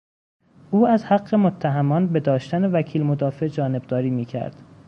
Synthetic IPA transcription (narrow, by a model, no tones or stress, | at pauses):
ʔuːæzhæɢːe̞mot̪ʰːæɦæmɒːnbe̞d̪ɒːʃt̪æne̞væcʰiːlmod̪ɒːfe̞d͡ʒɒːne̞b̚d̪ɒːɾiːmiːcʰæ̰ɾd̪̥